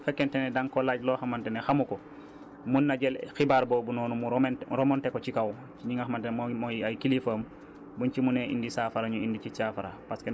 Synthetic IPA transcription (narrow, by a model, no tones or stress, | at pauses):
fɛkːentenɛdaŋkolaɟloːxamantenexamukɔ | munːaɟelxibaːɾboːbunɔːnumuɾomontekot͡ʃikaw | t͡ʃiɲiŋaxamantenmmojajkilifəːm | buɲt͡ʃimuneʔḭndisaːfaɾaɲuindit͡ʃisafaɾa̰paske